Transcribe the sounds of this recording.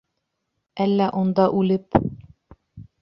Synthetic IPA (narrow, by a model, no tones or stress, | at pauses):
ælːæʔond̪ɑʔʉlɘp